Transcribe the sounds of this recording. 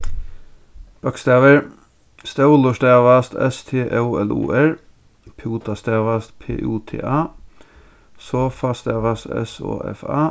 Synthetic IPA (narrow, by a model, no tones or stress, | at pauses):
b̥ɑkst̪eːʋəɹ | st̪ɛʊlʊʃt̪eːʋɑst̪ʰɛ̰st̪ʰeːʔɛlṵːʔæɹ | pʰɛuːt̪ɑst̪eːʋɑst̪pʰḛːʔuːt̪ʰḛːʔɑː | soːfɑst̪eːʋɑsɛ̰so̰ːʔɛ̰fɑ̰ː